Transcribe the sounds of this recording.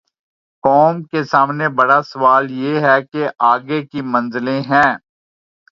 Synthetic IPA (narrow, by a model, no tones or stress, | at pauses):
kɔːmkesaːmnebɐɽasɐʋaːljeɦɛkeʔaːɡekimɐ̃nzɪlẽɦɛ̃ː